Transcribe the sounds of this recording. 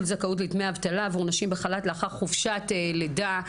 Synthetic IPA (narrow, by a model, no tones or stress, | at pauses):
lzakaut̬litmeaavt̪alaːvuʁnaʃimbeχalatleaχaʁχufʃateleda